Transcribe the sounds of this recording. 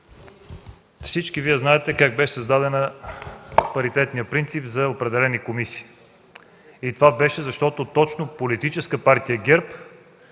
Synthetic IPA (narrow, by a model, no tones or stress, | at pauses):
fsit͡ʃkiviɛznaɛt̪ɛkaɡ̚bɛʃɛ̥səzd̪ad̪ɛnə | pɐɾit̪ɛt̪nijəpɾint̪sipzɐopɾɛd̪ɛlɛnikomisi̥ː | it̪ovabɛʃɛzɐʃt̪ɔt̪ot̪ɔt͡ʃnopolit̪it͡ʃɛskəpaɾt̪ijəɡʲɛɾp